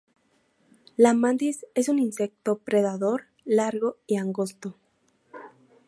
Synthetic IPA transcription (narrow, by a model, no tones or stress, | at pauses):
lamãnd̪ise̞suninse̞k̚t̪o̞pɾe̞ðaðo̞ɾ | laɾɣo̞iaŋɡost̪o